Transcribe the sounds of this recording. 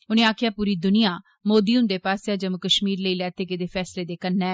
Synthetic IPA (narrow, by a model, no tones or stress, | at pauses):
ʊnẽːaːkʰɪjaːpuːɾiːd̪ʊnɪjãː | moːd̪iːʊnd̪eːpaːsjaːd͡ʒəmukəʃmiːɾləiːlɛːt̪eːkɪd̪eːpʰɛːsleːd̪eːkənːɛː